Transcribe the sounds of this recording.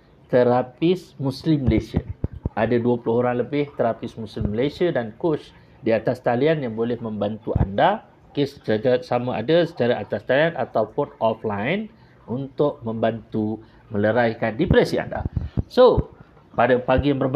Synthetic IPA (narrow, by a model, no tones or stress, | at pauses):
t̪əɾapɪsmuslɪmːəlesia̰ʔadaduəpulʊɦoɾaŋləbɪht̪əɾapɪsmuslɪmːəlesiadankot͡ʃ | diat̪ast̪alianjaŋbolɛhmə̃mbant̪uʔa̰nda | kesə̥t͡ʃasamaʔa̰dasə̥t͡ʃaɾaʔat̪ast̪aliana̰t̪awpʊnɔflajn | unt̪ʊʔ̚mə̃mbant̪u | mə̃ləɾajkandipɾɛsia̰nda̰so | padapaɡijaŋbərb